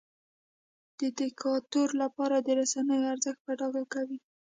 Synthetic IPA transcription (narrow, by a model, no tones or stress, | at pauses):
d̪̥əd̪ɪkʰɑt̪oɾlapɑɾad̪əɾasanəjoaɾzəxt̪̚paɖɑɡakawi